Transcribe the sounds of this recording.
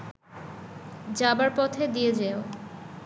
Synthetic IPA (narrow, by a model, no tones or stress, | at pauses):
d͡ʑabaɾpɔt̪ʰed̪ijed͡ʑeo